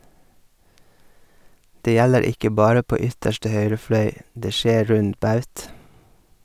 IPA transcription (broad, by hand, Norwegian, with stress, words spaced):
ˈdeː ˈjæləɾ ˈɪkə ˈbɑːɾə ˈpoː ˈʏtəʃʈə ˈhœʏɾə ˈflœʏ ˈdeː ˈʃeː ˈɾʉnd ˈbɑʉt